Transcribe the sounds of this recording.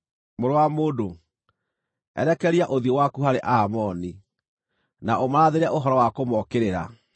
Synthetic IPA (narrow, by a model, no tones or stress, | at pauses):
moɾowamoːdo | ɛ̰ɾɛkɛɾiaʔoðiowakuɦaɾeʔamɔni | naʔomaɾaðeɾɛʔoɦɔɾɔwakomɔkeɾeɾa